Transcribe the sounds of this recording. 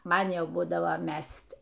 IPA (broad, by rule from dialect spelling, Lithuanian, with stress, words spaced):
ˈmɐn ˈjɛʊ ˈbuːdɐʋoː ˈmʲɛsʲtʲ